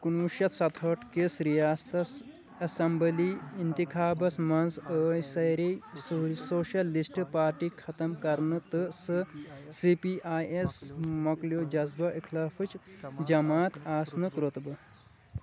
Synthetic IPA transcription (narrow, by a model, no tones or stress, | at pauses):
kunuːʃjɐt̪sɐt̪ʰɐʈkesɾijaːst̪ɐs | ɐsɐmbəliːint̪ikʰaːbɐsmɐnzəːjsɐjɾi | soːʃɐlːisʈɨpaːɾʈiːkʰɐt̪ɐmkɐɾnɨt̪ɨsɨsipiʔaːjesmɐkljod͡ʒɐzbɐʔikʰlaːfɨt͡ʃd͡ʒɐmaːt̪aːsnɨkɾot̪bɐ